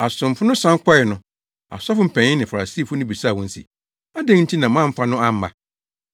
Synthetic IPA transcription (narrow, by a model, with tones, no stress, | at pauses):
a˨sʊ̃˨m˨fʊ˦nʊ̃˦sã˦ŋ˦kʷʰɔ˦ɪ˨nʊ̃˨ | a̰˨sɔ˦fʊ˦m̩˨pʰɛ̃˨ɲɪ̃˦nɪ̃˨fa˨a˨si˦fʊ˦nʊ̃˦bi˨sa˦˨wɔ̃˦n̩˦sḭ˨ | a˦dɛ̃˦ŋn̩˦tʰi˦nã˨mã˦m̩˦fa˦nʊ̃˦ã˦˨m̩˦ma̰˨